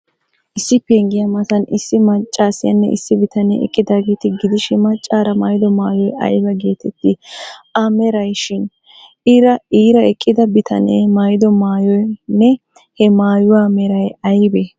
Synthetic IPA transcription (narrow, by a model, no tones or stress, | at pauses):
ʔɪsːɪpeːŋɡɪjɐmɐtɐnɪsːɪmɐt͡ʃʼːaːsɪjɐnːɛ̰ʔɪ̰sːɪbɪt̪ɐnḛɛ̰kʼːɪd̪aːɡeːt̪ɪɡɪd̪ɪʃɪmɐt͡ʃʼːaːɾɐmajd̪ɔmaːjɔjʔɐ̰jbɐɡeːt̪ɛt̪ːɪɐmɛɾɐjʃɪn | ɪɾɐiːɾɐɛkʼːɪd̪ɐbɪt̪ʰɐ̰nḛːmajd̪ɔmaːjɔjnːɛ | hɛmaːjʊwaːmɛɾɐjɐjbe